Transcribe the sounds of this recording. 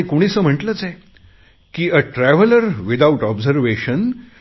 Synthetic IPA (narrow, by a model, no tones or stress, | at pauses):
ĩkoɽ̃isəm̤əʈlət͡sɛ | kiːəʈɾæʋələɾʋid̪auʈɔbzəɾʋeɕən